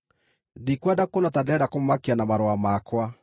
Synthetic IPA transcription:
dikwadakonatadɛdakommakeanamaɾoamakwa

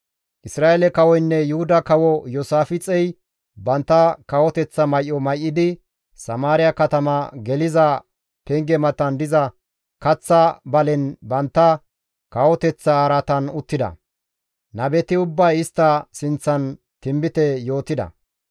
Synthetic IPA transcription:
ʔɪsɾaːelɛkɐwɔjnːɛjʊhʊd̪ɐkɐwɔjɔsaːfɪt͡sʼɛj | bɐnt̪ːɐkɐwɔt̪ɛt͡sːɐmɐjʔːɔmɐjʔːɪd̪ɪ | sɐmaːɾɪjɐkɐt̪ɐmɐɡɛlɪzɐ | pɛŋɡɛmɐt̪ːɐnd̪ɪzɐ | kɐt͡sːɐbɐlɛnbɐnt̪ːɐ | kɐwɔt̪ɛt͡sːɐaɾɐt̪ɐnʊt̪ːɪd̪ɐ̰ | nɐbɛt̪ɪʊbːɐjɪst̪ːɐsɪnt͡sːɐn | t̪ɪmbɪt̪ɛjo̞ːt̪ɪd̪ɐ̰

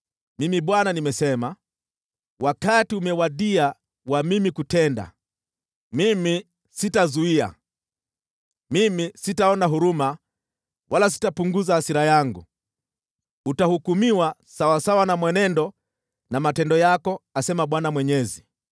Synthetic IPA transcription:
mimiɓwananimɛsɛma | wʔakatiumɛwaɗia | wamimikutɛnda̰ | mimi | sitazuia̰ | mimisitaɔnaɦuɾuma | wʔalas̬i̥tapuŋɡuzahasiɾajaŋɡu | utahukumiwa | sawasawanamwɛnɛndɔ | namatɛndɔjakɔasɛmaɓwanamwɛɲɛzi

